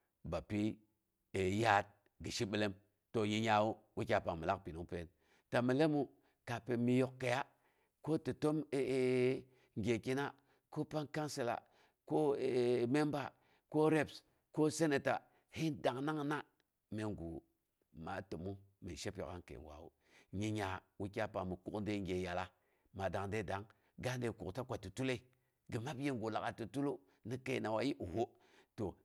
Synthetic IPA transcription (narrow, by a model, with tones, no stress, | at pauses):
ba˨pi˦ | e˨ja˦t̚ | ɡi˨ʃi˦ɓi˦le˦m | to˨ji˦ɲa˦wu˦wi˦kʲa˨pa˨ŋmi˨la˦k̚pi˨nu˦ŋ˦pe˦n | ta˨mi˨le˦mu˦ | ka˨pe˨mi˦jo˨kːe˨ja˦ | ko˦ti˨to˦me˨ | ŋɡʲe˨ki˦na˦ | ko˦pa˦nka˦nsi˦la̰˨ | ko˦˨me˦mba˨ | ko˦ɾe˦ps | ko˦se˦ne˨ta˨ | hi˦nda˨ŋna˦ŋna˦ | me˨ŋɡṵ˨ | ma̰˨tu˨mu˦me˨ʃe˦po̰˨a̰˦nkḛ˨wa̰˨wṵ˦ | ɲi˨ɲa˨wu˦ki˦a˦pa˨mi˨ku˨knde˦˨ŋɡʲe˨ja˨la˦ | ma˨da˨ŋnde˦da˨˦ŋ | ɡa˦nde˨kṵ˨kta˦kʷa˨tu˨tu˦le˦˨ | ɡi˨ma˦pje˦ŋɡu˨la˨a˨tu˨tu˦lu˦ | ni˦ke˨na˨wa˨ji˦ʔu˨ho˦ | to˨